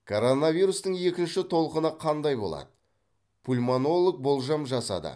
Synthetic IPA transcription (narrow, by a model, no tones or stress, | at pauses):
kʰo̞ɾo̞navʲijɾust̪əɴe̞kʲɪnʃɪt̪ʰo̞lˠəqənəqʰɑnd̪ɑjbo̞̰lˠɑ̰d̪ə | pʰulʲmono̞lˠək̚bo̞lˠʒɑmʒɑsɑ̰d̪ə̰